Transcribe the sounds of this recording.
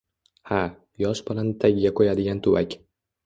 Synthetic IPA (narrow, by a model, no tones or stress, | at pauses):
ha | jɒʃbɪlant̪ʰaɡʲɪɡʲakʰojad̪ɪɡʲant̪ʰʊwakʲ